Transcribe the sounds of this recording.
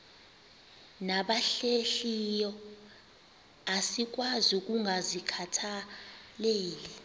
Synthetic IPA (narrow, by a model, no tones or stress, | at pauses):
naɓaɬeɬijɔ | asik̬ʼwazuk̬ʼuŋɡʱazikʰatʰaleːli